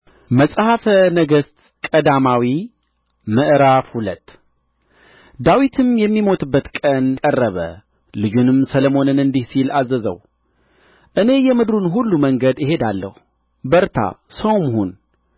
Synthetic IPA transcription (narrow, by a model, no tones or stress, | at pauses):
məsʼhafənəɡəst̪ | kʼəd̪amawi | məʔɾafhulət̪ː | d̪awit̪ʰɨmjɛmːimo̞t̪ʰɨbːət̪kʼənkʼərːəβə̰ | lɨd͡ʒunɨmsələmo̞nɨnɨnd̪ihsilazːəzə̰w | ʔɨne̞jɛmɨd̪ɾunɦulːuməŋɡəd̪jɪhe̞d̪alːə̰hu | bəɾt̪ʰa̰səwmhun